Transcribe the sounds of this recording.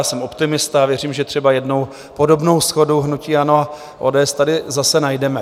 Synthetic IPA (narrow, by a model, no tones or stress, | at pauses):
aːsɛmʔo̞pt̪ɪmɪst̪aːvjɛr̝iːmʒɛt̪r̝̥ɛbajɛdnow | po̞do̞bno̞wsxo̞duɦnuciːanoa | ʔoːdɛːɛst̪adɪzasɛnajdɛmɛ